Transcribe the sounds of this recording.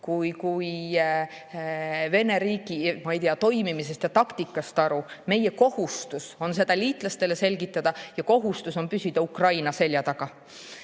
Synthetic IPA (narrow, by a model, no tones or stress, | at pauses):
kujkuj | ve̞ne̞ɾiːkˑimɑejt̪iɑt̪o̞jmimis̬e̞st̪jɑt̪ɑkt̪ikːˑɑst̪ɑɾume̞je̞ko̞hust̪uso̞nse̞d̪̥ɑliːt̪ˑlɑst̪e̞le̞selʲɡ̥it̪ːˑɑd̪̥ɑjɑko̞ɦust̪uso̞npysʲid̪̥ɑukrɑjnɑse̞lʲjɑt̪ɑɡ̥ɑ